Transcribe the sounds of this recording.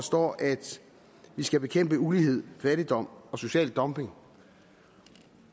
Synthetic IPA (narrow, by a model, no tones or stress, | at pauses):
ɒsd̥ɒ̰ːʔæd̥ | ʋisɡ̥æb̥e̝kʰem̰b̥əuliɦe̝ð̞̰ˠfæɾ̥id̥ɒ̽m̰ɒ̽so̝ɕɛ̰ːld̥ːɒ̽mbe̝ŋ